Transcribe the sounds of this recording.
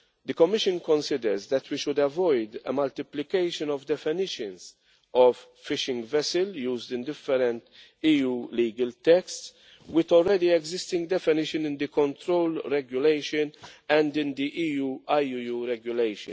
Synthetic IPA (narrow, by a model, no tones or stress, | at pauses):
d̪əkɔmːɪʃə̃nkɔ̃nsɪd̪əɾzd̪ɛt̪ʰwiʃʊd̪ɛvɔjd̪ə̰mɐlt̪ɪplɪkeɪʃə̃nɔvd̪ɛfɪnɪʃə̃nz | ɔvːɪʃɪ̃ŋɡvɛsəljuːzd̪ɪ̃nd̪ɪfːɛɾɛ̃nt̪ | iːuːliːɡəlt̪ɛksts | wɪt̪ɔlɾɛd̪iɛɡzɪst̪ɪ̃ŋɡd̪ɛfɪnɪʃɨ̃nɪ̃nd̪ikɔ̃nt̪ɾowlɾɛɡjʊleɪʃɨnɛ̃nd̪ɪ̃nd̪iʔiːuːajujuɾɛɡjʊleɪʃɨ̰n